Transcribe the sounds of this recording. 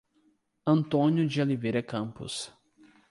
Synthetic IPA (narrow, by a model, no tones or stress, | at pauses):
ɐ̃nt̪õnjʊd͡ʒiolivejɾɐkɐ̃pʊ̰s